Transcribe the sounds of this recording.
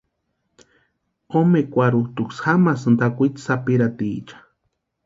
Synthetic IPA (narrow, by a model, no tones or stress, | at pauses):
omekʷaɾut̪uksxamasɨnd̪akʷit̪sapiɾat̪iːt͡ʃḁ